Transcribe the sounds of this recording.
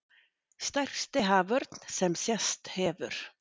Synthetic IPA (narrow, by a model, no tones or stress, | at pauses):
st̪ar̥kst̪ɪɦaːvœɾt̪nsɛmsjɛst̪hɛːvʏɾ̥